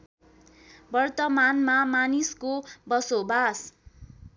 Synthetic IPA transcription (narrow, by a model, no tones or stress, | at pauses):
bʌrt̪ʌmanmamaniskobʌsobas